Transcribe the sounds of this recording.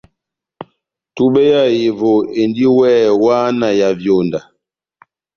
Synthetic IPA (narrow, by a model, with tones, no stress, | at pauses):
tu˦ɓɛ˦ja˦˨je˨vo˨e˨ndi˦wɛː˦˨waː˦na˨ja˨vjo˨nda˨